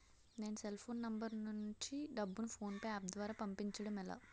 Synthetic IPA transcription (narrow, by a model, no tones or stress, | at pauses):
ne̞ːnuselpʰoːnːɐmbɐɾnuɲt͡ʃiɖɐbːunupʰo̞ːnpɐjaːp̚d̪ʋaːɾaːpɐmpiɲt͡ʃɐɽɐmɛla̰ː